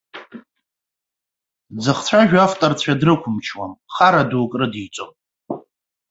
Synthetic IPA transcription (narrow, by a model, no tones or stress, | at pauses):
d͡zɨχt͡sʷʰaʒᶣaftʼart͡sʷʰadrɨkʷʰʊmt͡ʃʰwamχaɾaduwkʼrɨdit͡sʷʼo̰m